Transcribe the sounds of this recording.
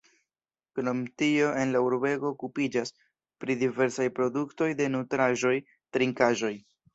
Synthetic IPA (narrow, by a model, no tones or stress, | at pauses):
kɾo̞mtio̞ʔe̞nlauɾbe̞ɡo̞ːkupid͡ʒas | pɾidive̞ɾsajpɾo̞dukto̞jde̞nutɾaʒo̞j | tɾiŋkaʒo̞j